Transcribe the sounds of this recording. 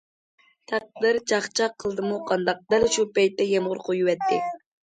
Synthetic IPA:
t̪ʰɑq̚d̪ɪɾd͡ʒɑχt͡ʃʰɑqʰːəlˠd̪ɨmuqʰɑnd̪ɑq̚d̪ælʃupɛjt̪ːɛjemʁʊɾqʰojuwɛt̪ːɪ

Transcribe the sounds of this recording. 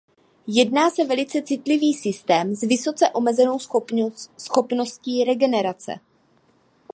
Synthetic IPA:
jɛdnaːsɛvɛlɪt͡sɛt͡sɪt̪lɪviːsɪst̪ɛːmzvɪso̞t͡sɛʔo̞mɛzɛno̞w | sxo̞pno̞sciːɾɛɡɛnɛɾat͡sɛ̰

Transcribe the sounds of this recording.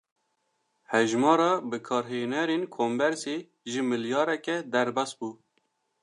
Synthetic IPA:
hɛʒmɑːɾɑːbɨkʰɑːɾɦenɛɾenkʰombɛɾseː | ʒɨmɨljɑːɾɛkɛd̪ɛɾbɑsbuː

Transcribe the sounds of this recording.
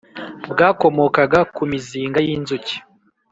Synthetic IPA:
bɡaːko̞mo̞kaɡakumiziːŋɡajiːnzuci̥

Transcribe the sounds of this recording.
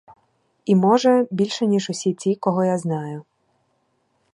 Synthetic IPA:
imɔʒɛbʲilʲʃɛnʲiʒʊsʲit͡sʲikɔɦɔjaznɑjʊ

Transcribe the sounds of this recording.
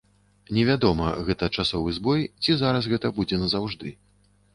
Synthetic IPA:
nʲɛvʲad̪ɔmɐ̰ɣɛt̪ɐt͡ʂasɔvɨzbɔjt͡sʲizaɾɐs̬ɣɛt̪ɐbud͡zʲɛnɐzawʐd̪ɨ

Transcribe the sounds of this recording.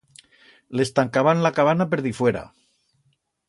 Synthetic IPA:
le̞st̪aŋkaβanlakaβanapeɾðifwe̞ɾa̰

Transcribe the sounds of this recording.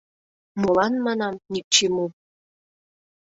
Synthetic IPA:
molɑnmɑnɑmnʲik̚t͡ɕemu

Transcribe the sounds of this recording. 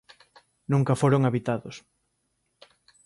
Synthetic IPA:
nũŋkɐfoɾoŋaβit̪aðos

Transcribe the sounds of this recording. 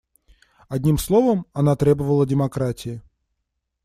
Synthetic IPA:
ɐdʲnʲimslˠovəmɐnat̪ɾʲebəvəlˠədʲɪmɐkɾatʲɪɪ

